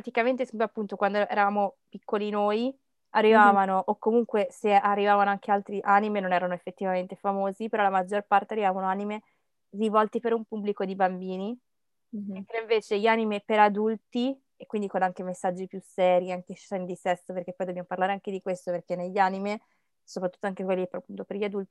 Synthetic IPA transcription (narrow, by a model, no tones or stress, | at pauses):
ɾat̪ikament̪esɛmpoapːunt̪okwand̪oʔɛ̰ːɾavaːmopikːolinoːj | arːivaːvanoʔokːomuŋkwesearːivaːvanoaŋk̟ealt̪ɾiʔanimenonɛːɾanoefːet̪ːivament̪efamoːzipeɾɔlamad͡ʒːorpart̪earːivavanoanime | rivɔlt̪ipeɾumpubːlikod̪ibambiːni | ɛt̪ːɾeiɱveːt͡ʃeʎiaːnimepeɾad̪ult̪i | ekwind̪ikonaŋkemesːad͡ʒːipjusːɛːɾjiaŋkeʃɛnd̪isɛst̪operk̟epːɔjd̪objamoparlaːɾeaŋked̪ikwest̪operk̟enːeʎːanime | sopɾat̪ːu̥t̪ːoaŋkekwelːipɾpunt̪operʎiad̪ult̪i̥